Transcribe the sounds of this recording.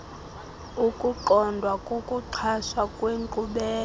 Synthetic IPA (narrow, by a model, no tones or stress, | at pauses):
ukʼuǃɔndʱwakʼokʼuǀʰaswakʼweŋǃuɓɛː